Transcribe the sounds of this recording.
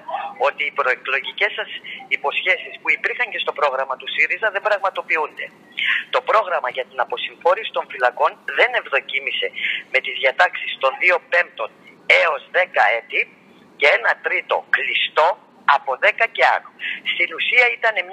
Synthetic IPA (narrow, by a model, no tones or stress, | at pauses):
o̞t̪iːpɾo̞e̞klo̞ʝice̞sɐsipo̞sçe̞sispuipiɾxɐɲce̞st̪o̞pɾo̞ɣɾɐmɐt̪usiɾizɐðembɾɐɣmɐt̪o̞piund̪e̞̰ | t̪o̞pɾo̞ɣɾɐmɐʝɐt̪inɐpo̞siɱfo̞ɾisi̥t̪o̞ɱfilɐko̞nðe̞ne̞vðo̞cimise̞me̞t̪izðʝiɐt̪ɐksist̪o̞nðio̞pe̞mp̚t̪o̞n | e̞o̞zðe̞kɐe̞t̪i | ce̞enɐt̪ɾit̪o̞̰klist̪o̞ | ɐpo̞ðe̞kɐce̞ɐ̰nost̪inusiɐit̪ɐne̞m